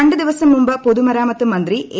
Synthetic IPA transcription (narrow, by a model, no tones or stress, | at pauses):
ɐɳɖɨd̪iʋɐsɐmːumbɐpoðumɐɾaːmɐt̪ːɯmɐnd̪riʔe